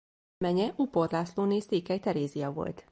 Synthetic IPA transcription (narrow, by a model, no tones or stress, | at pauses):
mɛɲɛʔuporlaːsloːneːseːkɛjt̪ɛɾeːzijɒvo̞̰lt̪